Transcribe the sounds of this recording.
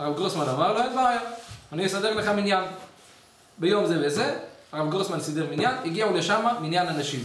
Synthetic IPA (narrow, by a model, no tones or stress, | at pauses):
aʁavɡosmanavaloatvaajaaniəsadɛʁləχaminjan | bɪjomzɛvɛzɛaʁavɡosmansidɛʁminjaniɡiauleʃamamiinjananaʃim